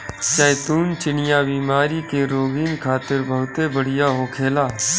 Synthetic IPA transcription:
ʃəːt̪uːnt͡ʃɪnɪjabiːmaːɾikeɾoːɡiːnkʰaːt̪ɪɾbəɦʊt̪ebəɽ̤ɪjaɦoːkʰeːlaː

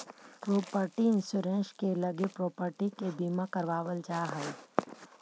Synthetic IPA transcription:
pɾoːpəɾʈiɪ̃nsʊɾẽnʃkelɐɡepɾoːpəɾʈikebiːmãkəɾʋaːʋəld͡ʒaːɦɛ

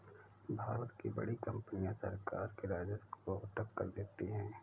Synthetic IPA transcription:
bʱaːɾət̪kibɐ̰ɽikɐ̃mpnijãsɐɾka̰ːɾkeɾaːd͡ʒəskoɦʊʈəkːɐ̰ɾd̪eːt̪eɦɛ̃ː

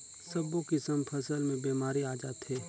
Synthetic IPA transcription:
sɐbokɪsəmpʰəsəlmẽbiːmaːɾiaːd͡ʒaːt̪ɦeː

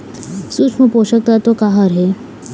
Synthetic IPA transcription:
sut͡ʃʰməpoʃək̚t̪at̪okaɦaɾɦe

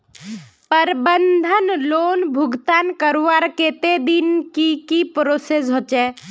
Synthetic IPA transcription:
pəɾbənd̪ʱənloːnbʱʊɡt̪aːnkəɾʋaɾket̪ed̪inkikipɾoses̬ɦot͡ʃɛː

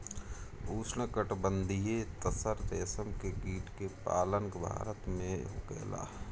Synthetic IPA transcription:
uːsnəkəʈbə̃nd̪ʱijet̪əsəɾt̪eːsəmkekiːʈkepa̰ːləŋkbʱa̰ːɾət̪mẽɦʊ̰kɛ̰ːla̰ː

